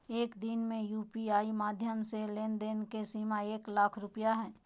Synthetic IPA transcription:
eːkd̪inmẽjuːpiaːimaːd̪ʱjəmseleːnd̪eːnkesiːmaeːklaːkʰɾʊpəjaɦɛ̃ː

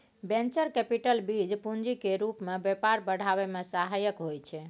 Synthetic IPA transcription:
bẽnt͡ʃəɾkɛpiʈəlbid͡ʒpund͡ʒikeɾupmebjepaɾbəɽ̤aβemesaɦajəkɦojt͡ʃʰɛ

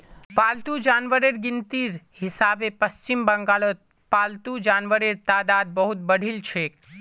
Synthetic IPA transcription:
paːlt̪ud͡ʒaːnʋəɾeɾɡɪnt̪iːɾ | hɪsaːbepəst͡ʃɪmbə̃ŋɡaːlot̪ | paːlt̪ud͡ʒaːnʋəɾeɾt̪aːd̪aːd̪̚bəɦʊt̪̚bəɽ̤ʱilt͡ʃʰeːk

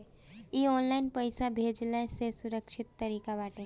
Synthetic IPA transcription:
iɔːnlaɪnpəɪsabʱeːd͡ʒlesesʊɾəkʃɪt̪ːɐɾiːkabaːʈe

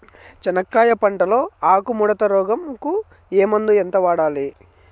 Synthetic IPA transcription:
t͡ʃɐnɐkːaːjɐpɐɳʈɐlo̞ːaːkumuɽɐt̪ɐɾɔːɡɐmku | eːmɐnd̪uent̪ɐʋaːɽaːli

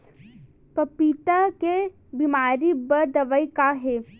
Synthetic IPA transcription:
pɐpit̪ake | bimaːɾibɐɾd̪ɐʋəjkaɦeː

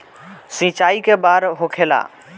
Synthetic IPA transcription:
sĩt͡ɕaːikebaːɾɦokʰela̰ː

